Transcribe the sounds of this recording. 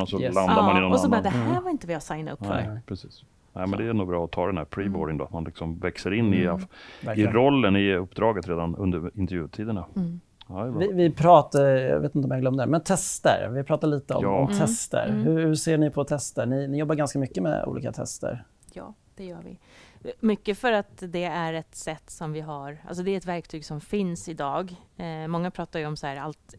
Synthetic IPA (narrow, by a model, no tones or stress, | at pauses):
ɔsɔland̪aɾmanɪnɛnsɔd̪ɛhæːɾvaɾɪnt̪əvɪhasajnaʊnɛ̰pʰɾɛsiːs | nɛ̰mɛnd̪ɛnuːbɾɑːɔt̪ʰɑːd̪ɛnhæ̰ɾpʰɾiːbɔɖ̪ɪŋnd̪o̰ːat̪̚manlɪksɔmvɛksəɾɪnːɪæɾɪɾɔlːənɪɵpːd̪ɾɑːɡət̪ɾeːd̪anɵnd̪əɾɪnt̪əɾvjʉ̟ːt̪ʰiːd̪əna | vɪvɪpʰɾɑːt̪ajɑ̰vḛt̪ɪnt̪əɔmjaɡlœmd̪ɛmɛnt̪ʰɛst̪ə̰ɾvɪpʰɾɑːt̪aɭiːt̪əɔ̰ɔmt̪ʰɛst̪ə̰ɾhɵhʉseːɳɪpʰɔt̪ʰɛst̪əɳɪnɪjɔbːaɾɡanskamʏkːəmɛ̰ṵːlḭːka̰t̪ʰɛ̰st̪ə̰ɾ | jɑ̰ː | d̪̥ɛjœːɾvɪ̰ | mʏkːəfœɾat̪d̪ɛæɾɛt̪sɛt̪ːsɔmvɪɦaɾa̰ls̬ɔd̪ɛæɾɛt̪væɾk̚t̪ʰyːɡsɔmfɪnsɪd̪ɑːɡmɔŋːapʰɾɑːt̪ajəɔmshæːɾalt̪